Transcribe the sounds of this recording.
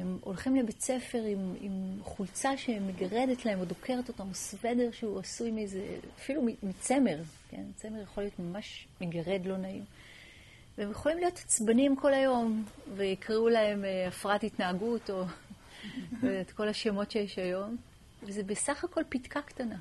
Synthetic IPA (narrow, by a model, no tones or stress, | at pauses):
emo̞lχimlebe̞t͡sefe̞ʁimḭmχult͡saʃe̞meɡaʁe̞detlahe̞mo̞dokʰe̞ʁeto̞tamosve̞de̞ʁʃehuasujmezḛafilumimit͡se̞me̞ʁke̞̰nt͡semeʁjeχolijo̞tmamaʃmeɡaʁe̞dlo̞naim | veemjeχo̞limlijo̞t̪ḁt͡sbanimkʰo̞lajo̞mveikʁiulahe̞meafʁatitnaːɡuto̞ | vetko̞laʃemo̞tʃejeʃajo̞m | vezebesaχako̞lpitkaktana